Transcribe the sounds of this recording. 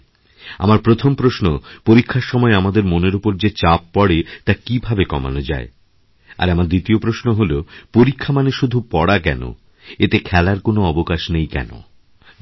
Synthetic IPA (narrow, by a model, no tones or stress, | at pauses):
a̰maɾpɾot̪ʰompɾoʃnopoɾikʰːaɾʃɔmɔeamad̪eɾmoneɾopoɾd͡ʑet͡ɕapːɔɽet̪akibʱabekɔma̰nod͡ʑa̰e | a̰ɾamaɾd̪it̪iopɾoʃnoɦolopoɾikʰːamaneʃud̪ʱupɔɽakɛ̰no̰ | et̪ekʰɛlaɾkonoɔbokaʃnejkɛ̰no̰